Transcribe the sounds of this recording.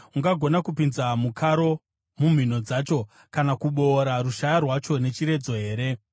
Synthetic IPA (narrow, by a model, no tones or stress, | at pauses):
uŋɡaɡʱo̞nakupinzamukʰaɾo̞ | mum̤in̤o̞d͡zat͡ʃo̞ | kanakuɓo̞ːɾaruʃajarwat͡ʃo̞ne̞t͡ʃiɾe̞d͡zo̞ɦe̞ːɾe̞